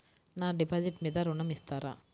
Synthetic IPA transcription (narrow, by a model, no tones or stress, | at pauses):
nãːɖɪpaːd͡ʒɪʈmiːd̪aːɾʊɳɐmɪst̪aːɾã̰ː